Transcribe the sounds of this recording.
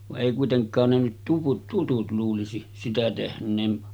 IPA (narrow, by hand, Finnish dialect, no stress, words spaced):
ʋɑʔ ʔeˑi kuiteŋkˑɑːn ne nyt tuʋut tutut luːlisi sitæ tehnˑeːn